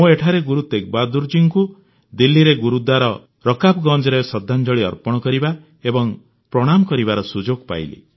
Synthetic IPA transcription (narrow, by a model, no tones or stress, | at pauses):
mũeʈʰaɾeɡuɾut̪ek̚bad̪uɾd͡ʒiŋku | d̪ilːiɾeɡuɾud̪waɾɔ | ɾɔkapɡɔ̃nd͡ʒɾesɔd̪ʱːand͡ʒɔɭiɔ̰ɾpɔɽ̃ɔkɔɾiba | ebɔŋ | pɾɔɽ̃amɔkɔɾibaɾɔsud͡ʒoɡpa̰jlḭ